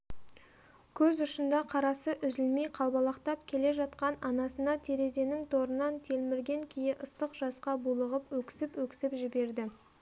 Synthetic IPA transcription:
kʲʰɵzʊʃənd̪ɑqʰɑɾɑsəʔʏzɪlmejqʰɑlˠbɑlˠɑqt̪ɑp̚kʲʰe̞le̞ʒɑt̪qɑnɑnɑsənɑt̪ʰe̞ɾe̞zd̪e̞nɪŋt̪ʰo̞ɾənɑnt̪ʰe̞lmɪɾɡʲe̞ŋkʲʰejɪʔəst̪əqʒ̥ɑsqɑbulˠəʁəpwɵkʲɪ̥sɪpwɵkʲɪ̥sɪpʒɪbe̞ɾd̪ɪ

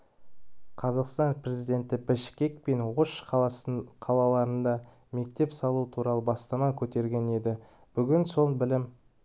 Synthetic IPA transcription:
qʰɑzɑqst̪ɑnpre̞zijd̪ʲe̞nt̪ɪbɪʃkʲe̞k̚pe̞nwoʃ | qʰɑlˠɑlˠɑɾənd̪ɑ | me̞k̚t̪e̞psɑlˠuət̪ʰuɾɑlˠəbɑst̪ɑmɑkʲʰɵt̪e̞ɾɡʲe̞ne̞d̪ɪ | b̥ʏɡʲɪnso̞lˠbɪlɪm

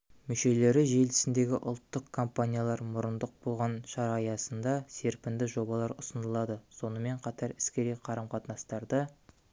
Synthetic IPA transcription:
mʏʃe̞le̞ɾɪʒe̞lt̪ɪ̥sɪnd̪e̞ɡʲɪʔʊ̰lˠt̪ːəqkʰompanʲijalˠɑɾmʊɾənd̪əq̚bo̞lˠʁɑnʃɑɾɑjɑsənd̪ɑse̞ɾpɪnd̪ɪʒo̞bɑlˠɑɾʊsənəlˠɑd̪əso̞nəme̞ɴqʰɑt̪ɑɾɪskʲe̞ɾejqʰɑɾəmqʰɑt̪nɑst̪ɑɾd̪ə

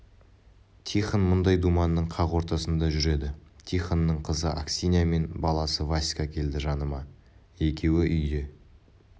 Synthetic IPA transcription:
t̪ʰijχənmʊnd̪ɑjd̪umɑnːəɴqʰɑʁwo̞ɾt̪ɑsənd̪ɑʒʏɾe̞d̪ɪt̪ʲʰijχanːəɴqʰəzəʔa̰ksʲinʲijame̞nbɑlˠɑsəvasʲkakʲʰe̞ld̪ɪʒɑnəmɑ | e̞kʲe̞wɪʔʏjd̪e̞

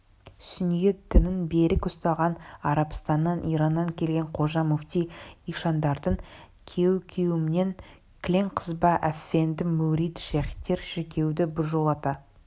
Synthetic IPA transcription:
sʏnjed̪̥ɪnɪnbeɾɪkʊst̪ɑʁɑnɑɾɑpst̪ɑnːɑnʔijɾɑnːɑŋkʲʰe̞lɡʲeɴqʰo̞ʒɑmuft̪ʲijiʃɑnd̪ɑɾd̪əɴ | kʲʰe̞wkʲʰewɪmɪne̞ŋ | kʲlʲeŋqʰəzbɑʔæfend̪ɪmuɾijt̪ʃeχit̪ːe̞ɾʃɪkʲʰe̞wd̪ɪbɪɾʒo̞lˠɑt̪ɑ

